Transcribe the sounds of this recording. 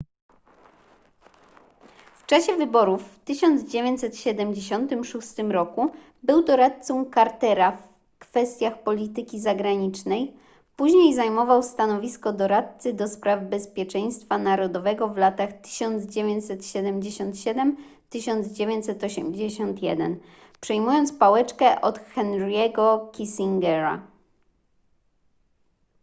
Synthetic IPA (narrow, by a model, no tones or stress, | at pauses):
ft͡ʂaɕɛvɘbɔɾufːt̪ɘɕɔnd̪zd͡ʑevʲeɲt̪ʲsɛt̪ɕɛd̪ɛmd͡ʑeɕɔnt̪ɘmʂust̪ɘmɾɔku | bɘwd̪ɔɾat̪̚sɔwkaɾt̪ɛɾaf | kfɛst̪ʲjaxpɔlʲit̪ɘkʲizaɡɾaɲit͡ʂnɛj | puʑɲejzajmɔvawst̪anɔvʲiskɔd̪ɔɾat̪t̪sɘd̪ɔspɾavbɛspʲjɛt͡ʂɛɲ̃st̪fanaɾɔd̪ɔvɛɡɔvlat̪axt̪ɘ̥ɕɔnd̪zd͡ʑevʲjeɲt͡ɕsɛt̪ɕɛd̪ɛmd͡ʑeɕɔnt̪ɕɛd̪ɛm | t̪ɘɕɔnd̪zd͡ʑevʲjeɲt͡ɕ̪ʲsɛt̪ɔɕɛmd͡ʑeɕɔnt̪jɛd̪ɛ̰n | pʂɛjmujɔnt̪spawɛt͡ʂkɛʔɔt̪xɛnɾjɛɡɔkʲisʲiŋɡɛɾa̰